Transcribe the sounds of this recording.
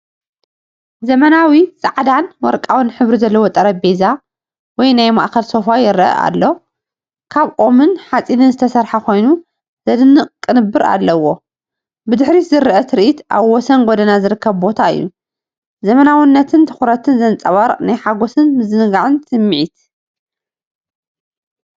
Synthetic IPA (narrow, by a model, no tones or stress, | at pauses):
zɐmɐnawisʼaʕd̪anwɔ̰ɾkʼawɨnħɨβɾizɐlːɐwot̪ʼɐɾɐbeza | wɔjnajma̰ʔxɐlso̞fajɪɾʔɐ̰a̰lːo̞ | kʰaβʔo̞mɨnħat͡sʼinɨnzɨt̪ʰɐsɐɾħakʰo̞jnu | zɐd̪ɨnːɨkʼːɨnɨbːɨɾa̰lːɐwo̞ | bɨd̪ɨħɾizɨɾʔɐt̪ʰɨɾʔit̪ʔa̰βwɔsɐnɡod̪ɐnazɨɾɨkʰːɐβbo̞t̪ʰaɨ̰jːu | zɐmɐnawɨnːɐt̪ʰɨnt̪ʰɨ̥xuɾɐt̪ʰɨnzɐnt͡sʼɐβaɾnajħaɡo̞sɨnmɨzɨnɨɡaʕɨnsɨmːʕit̪